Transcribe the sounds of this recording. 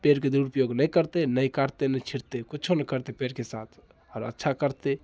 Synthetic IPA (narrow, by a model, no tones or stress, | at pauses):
peɾked̪uɾupəjoɡnəjkəɾt̪enəjkəɾt̪enət͡ʃʰiɾt̪ekutːt͡ʃʰonəkəɾt̪epeɾkesa̰t̪ʰ | ɔɾə̰tːʃʰakəɾt̪e